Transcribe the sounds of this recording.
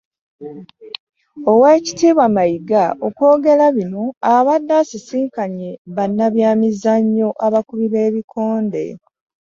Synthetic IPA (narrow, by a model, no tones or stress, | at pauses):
o̞we̞ːci̥tiːβwamajiɡaʔokwo̞ːɡe̞laβino̞aβadːasisiːkaɲe̞βanːaβjaːmizaɲːo̞ʔaβakuβiβe̞ːβikʰo̞ːnde̞̰